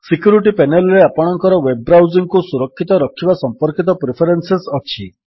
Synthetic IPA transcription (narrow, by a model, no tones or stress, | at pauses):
sikjuɾiʈipenelɾeapɔɽ̃ɔŋkɔɾɔwebɾawziŋkusuɾɔkʰːit̪ɔɾɔkʰːibasɔmpɔɾkit̪ɔpɾepʰeɾensesɔt͡ʃʰi